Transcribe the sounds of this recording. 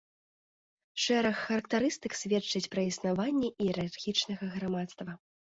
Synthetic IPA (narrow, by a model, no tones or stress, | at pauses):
ʂɛɾɐxːɐɾɐk̚t̪aɾɨst̪ɨksʲvʲɛt͡ʂːɐt͡sʲpɾɐisnavanʲːɛʔiɛɾarxʲit͡ʂnɐɣɐɣɾamat̪st̪vɐ